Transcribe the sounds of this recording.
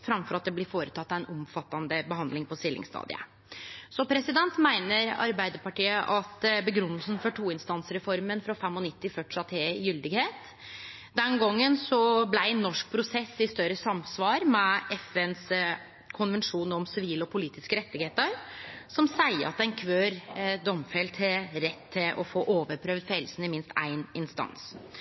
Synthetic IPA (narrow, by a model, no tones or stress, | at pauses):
fɾɑmfɔɾɑt̪̚d̪ɛblɪɾfoːɾət̪ʰɑt̪ːɑʋɛnɔmfɑt̪ːɑnd̪əbəɦɑnd̪lɪŋpʰɔst̪ɪlːɪ̰ŋst̪ɑ̰ːd̪ɪ̰ə̰ | sɔpʰɾɛsɪd̪ɛnt̪mæɪnəɾɑ̰ɾbæɪd̪əɾpɑʈiːəʔɑt̪bəɡɾʉnːəlsn̩fɔʈʰuːɪnst̪ɑnsɾɛfɔɾmənfɾɑfɛmːɔnɪt̪ːɪfœʈːɪ̥ɑːt̪ʰeːjʏld̪ɪɡheːt̪ | d̪ɛnɡɔŋːənsɔblæɪnːɔʂk̚pʰɾʊsɛsːɪst̪œɾəsɑmsʋɑːɾmɛʔɛfɛns | kʰʊnʋənʂuːnɔmsɪʋiːləɔpʰʊliːt̪ɪskəɾɛt̪ːɪɡheːt̪əɾsɔmsæɪə̰ɑt̪̚ɛɪnkʰʋøːɾd̪ɔmfɛlt̪ʰɪlɾɛt̪ʰːɪlʔɔ̰foːʔoːʋəɾpʰɾøːʋd̪fɛlsn̩ɪmɪnst̪æ̰ɪnɪnst̪ɑ̰ns